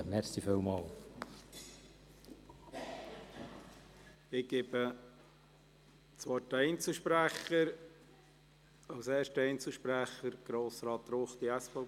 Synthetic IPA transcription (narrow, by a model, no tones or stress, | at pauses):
mɛɾsiføwmɑːl | ɪɡ̥ɪbə | t͡sʋɔtəɛjnt͡səʃpɾæχəɾ | ɑwsɛːɾʃtəɛjnt͡sl̩ʃpɾæχəɾɡ̥ɾoːsɾɑːt̪ɾoːχt̪iæsfɑ